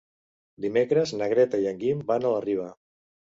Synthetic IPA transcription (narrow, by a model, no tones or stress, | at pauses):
d̪imekɾəznəɣ̞ɾɛt̪əiəŋɡimbanələriβ̞ə